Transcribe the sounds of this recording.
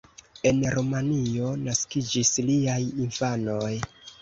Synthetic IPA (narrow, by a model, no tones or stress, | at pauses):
e̞nɾomanio̞naskid͡ʒisliajinfano̞j